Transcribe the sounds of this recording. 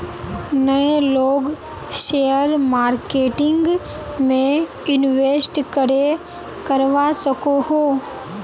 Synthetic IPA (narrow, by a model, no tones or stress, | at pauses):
nɐẽloːɡ | ʃejəɾmaːɾkeːʈɪ̃ŋɡ | mẽ | ɪnʋesʈkɐɾe | kɐɾʋasɐkoɦoː